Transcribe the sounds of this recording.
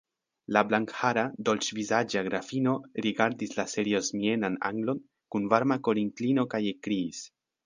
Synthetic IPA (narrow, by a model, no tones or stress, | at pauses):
lablaŋkhaɾado̞lt͡ʃvizad͡ʒaɡɾafino̞ɾiɡaɾdislase̞ɾio̞zmie̞nana̰ŋɡlo̞n | kunvaɾmako̞ɾiŋklino̞kajekɾiːs